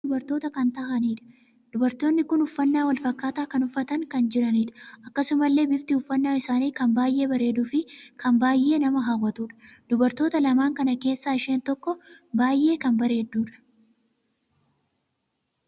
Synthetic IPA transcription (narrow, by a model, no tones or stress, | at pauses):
ʊbɐɾt̪o̞ːt̪ɐkɐnt̪ɐɦɐniːᶑɐ̥ | d̪̥ʊbɐɾt̪o̞ːnːɪkʊnʊfːɐnːaːwɐlfɐkːaːt̪aːkɐnʊfːɐt̪ɐŋkɐnd͡ʒɪɾɐniːᶑɐ̥ɐkːɐsʊmɐlːe̞ːbɪft̪ɪʊfːɐnːaːɪsaːniːkɐmbaːjʔe̞ːbɐɾe̞ːd̪ʊfɪkɐmbaːjʔːe̞ːnɐmɐɦawːɐt̪uːᶑɐ̥d̪̥ʊbɐɾt̪o̞ːt̪ɐlɐmaːŋkɐnɐke̞ːsːaːɪʃe̞ːnt̪ɔkːɔbaːjʔe̞ːkɐmbɐɾe̞ːd̪ːuːᶑɐ̥